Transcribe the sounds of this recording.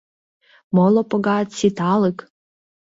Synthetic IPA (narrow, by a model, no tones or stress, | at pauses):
molopŏɣɑt̪sit̪ɑlɨk